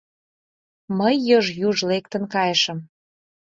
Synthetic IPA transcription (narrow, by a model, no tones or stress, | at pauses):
məjːoʒjuʒlek̚t̪ə̆nkɑjəʃə̆m